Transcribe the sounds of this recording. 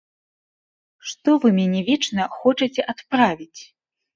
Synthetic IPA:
ʂt̪ɔvɨmʲanʲɛvʲɛt͡ʂnɐxɔt͡ʂɨt͡sʲɛʔat̪pɾavʲit͡sʲ

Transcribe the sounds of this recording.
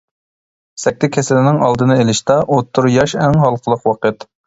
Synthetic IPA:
sɛk̚ʲt̪ʰɪkʲʰɛsɪlɪnɪŋɑlˠd̪ɨnɨelɪʃt̪ɑʔot̪ʰːʊɾjɑʃɛŋɦɑlˠqʰəlˠəqwɑqət̪

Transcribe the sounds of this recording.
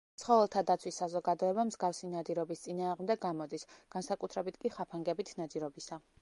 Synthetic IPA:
t̪sʰχɔvɛlˠt̪ʰad̪at̪sʰwisːazɔɡad̪ɔɛbamzɡafsinad̪iɾɔbist̪sʼinaːʁmd̪ɛɡːamɔd̪isɡ̥ansakʼut̪ʰɾɛbit̪ʰkʼiχapʰaŋɡɛbit̪ʰnad̪ziɾɔbisa

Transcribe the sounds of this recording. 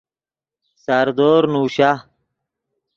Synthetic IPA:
sɐɾd̪oːɾnuːɕa

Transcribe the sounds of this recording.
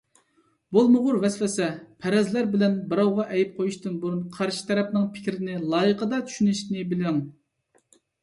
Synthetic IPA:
bolˠmʊʁʊɾvɛsfɛsɛpʰɛɾɛzlæɾbɪlɛnbɨɾɑwʁɑʔɛjip̚qʰojuʃt̪ɨnbuɾunqʰɑɾʃi̥t̪ʰɛɾɛpnɨŋpʰɪ̥kʲɾɪnɪlˠɑːjəqʰəd̪ɑt͡ʃʰy̥ʃynyʃt̪nɪbɪlɪŋ

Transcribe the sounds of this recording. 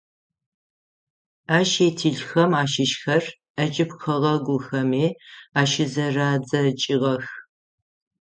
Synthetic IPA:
aːʃeːtʰiɮxɐmaːʃɪʃxɐr | ɐt͡ʃʼɪpxɐʁɐɡʷʊxɐmeːaːʃɪzɐraːd͡zɐt͡ʃʼɪʁɐx

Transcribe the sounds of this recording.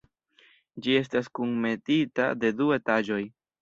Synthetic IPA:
d͡ʒie̞s̬taskuŋme̞tita̰de̞due̞tad͡ʒo̞j

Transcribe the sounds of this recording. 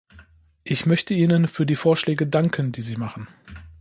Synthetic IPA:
ʔɪçmœçtəiːnənfyːɐdiːfoːɐʃlɛːɡədaŋkʰəndiːziːmaχn̩

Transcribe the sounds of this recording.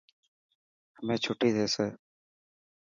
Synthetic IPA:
həmẽːt͡ʃʰoːʈiːd̪eːseː

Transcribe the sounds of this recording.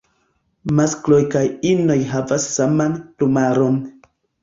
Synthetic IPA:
masklo̞jkajino̞jɦavasːamanplumaɾo̞n

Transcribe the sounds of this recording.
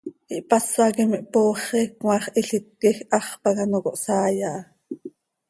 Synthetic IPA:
iʔpɑsɑkimiʔpoːχɛkŋɑχʔiɬit̪̚kɛxʔɑχpɑkɑnokoʔsɑːjɑʔɑ

